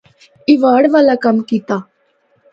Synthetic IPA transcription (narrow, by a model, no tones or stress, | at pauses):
ɪʋaːɽʋaːlakɐmkiːt̪aː